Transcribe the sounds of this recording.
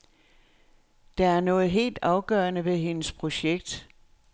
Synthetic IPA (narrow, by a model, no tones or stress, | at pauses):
d̥ɑ̈æɐnɔ̽ːð̞̩ˠɦe̝̰ːld̥ɑ̈ʊɡ̥ɶːɐnəʋe̝ɦe̝nəspʰʁo̝ɕeɡ̥̚d̥